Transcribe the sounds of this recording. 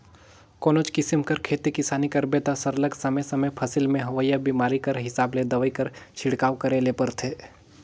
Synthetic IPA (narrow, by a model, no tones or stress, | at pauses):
koːnoːt͡ʃkɪsɪmkɐɾkʰeːt̪ikɪsaːnikɐɾbet̪asɐɾləɡsɐməjsɐməjpʰɐsɪlmẽɦɐʋəjːabiːmaːɾikɐɾɦɪsaːbled̪ɐʋəikɐɾt͡ʃʰɪɽkaːʋkɐɾelepɐɾt̪ʰeː